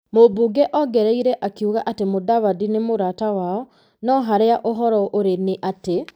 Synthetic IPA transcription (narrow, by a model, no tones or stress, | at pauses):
mobuɡɛʔɔɡɛɾɛiɾɛʔakiuɣaʔatemodawadinemoɾatawaɔ | nɔɦaɾeaʔoɦɔɾɔʔoɾeneʔate